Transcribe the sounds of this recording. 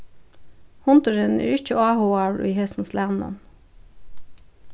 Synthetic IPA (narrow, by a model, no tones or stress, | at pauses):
hʊnt̪ʊɹənæ̰ːɹɪc͡çəɑːhuːɑːɹḭːhɛsn̩slæːnnɔ̰n